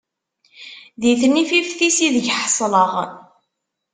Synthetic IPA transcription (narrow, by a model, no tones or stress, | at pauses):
ðiθnififθisiðəʝħəsˤləʁ